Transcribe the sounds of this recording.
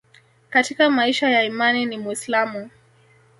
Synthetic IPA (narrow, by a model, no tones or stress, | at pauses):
katikamaiʃajaimaninimwislamu